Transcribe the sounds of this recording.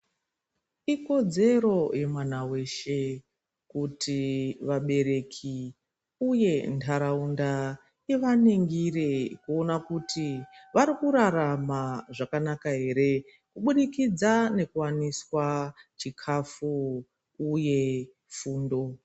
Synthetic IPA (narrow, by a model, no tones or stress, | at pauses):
iko̞d͡ze̞ɾo̞je̞mwan̤awe̞ʃe̞ | kutʰiʋaɓe̞ɾe̞kʰi | uje̞ntʰaɾaunda | iʋaneŋɡirekuo̞nakutiʋaɾikuɾaramaʐakanakaɦe̞ɾe̞ | kuɓuɗikid͡zane̞kuwaniswat͡ʃikʰafu | uje̞ | fuːndo̞